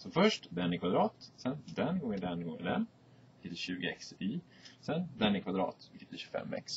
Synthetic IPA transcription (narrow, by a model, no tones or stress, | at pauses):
sɔfœʂʈd̪ɛnːɪkʰvad̪ɾɑːt̪sɛnd̪ɛnɡɔŋːənd̪ɛnɡɔŋə̰d̪ɛn | ɪkʰɪt̪ːɪɕʉ̟ːɡəɛ̰ksɪ | sɛnd̪ɛnːɪkvad̪ɾɑ̰ːt̪ɪkʰɪt̪ːɪɕɵ̥fɛ̰mːɛ̰ks